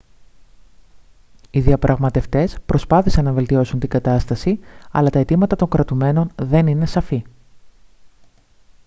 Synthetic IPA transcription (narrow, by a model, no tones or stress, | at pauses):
iðiɐpɾʔɐɣmɐt̪e̞ft̪e̞spɾʔo̞spɐθisɐnːɐve̞lt̪io̞sunt̪iŋɡɐt̪ɐst̪ɐsiɐ̰lɐt̪ɐe̞t̪imɐt̪ɐt̪o̞ŋkɾɐt̪ume̞no̞nðe̞nine̞sɐfi